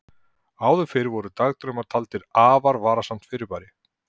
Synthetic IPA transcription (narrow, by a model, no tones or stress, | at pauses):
aːwðʏfɪɾɪvɔɾʏt̪aɣt̪ɾʏmḁt̪ʰalt̪ɪɾaːvaɾvaːɾasam̥t̪fɪɾɪɾpaːɾɪ